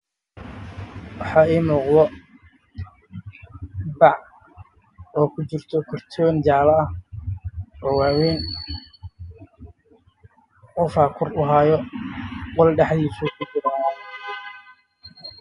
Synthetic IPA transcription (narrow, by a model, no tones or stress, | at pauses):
wɑħɑːiːmuːqðɔ | bɑʕ | ɔːkʰʊt͡ʃɪrt̪ʰɔkʰɔrt̪ʰɔːnd͡ʒaːlɐɐh | ɔːwaːwɛːn | ʊfaːkʰʊrʊɦaːjɔ | qɔlɖɛħðiːsukʰʊt͡ʃɪɾɔnaːn